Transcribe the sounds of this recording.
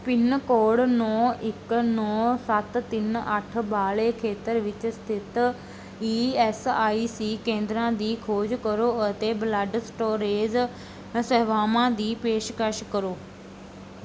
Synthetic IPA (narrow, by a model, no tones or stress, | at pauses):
pɪnkoːɽnɔːɪknɔːsɐt̪t̪ɪnɐʈ̆ʰbaːɭekʰeːt̪əɾʋɪt͡ɕəst̪ʰɪt̪ | iːɛːsaːisiːkẽːnd̪ɾãd̪iːkʰoːd͡ʑkɐɾoʊɦt̪eblaɖsʈoːɾeːz | sɐɦʋaːmãd̪iːpeːʃkaʃkɐɾoː